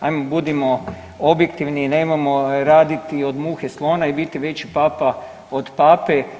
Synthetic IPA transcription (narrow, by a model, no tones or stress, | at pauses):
a̰jmobud̪imo̞ | objekt̪iʋniːneːmamoɾaːd̪it̪io̞d̪muːxeslˠo̞ːnaibit̪iʋe̞t͡ɕipaːpa | od̪paːpe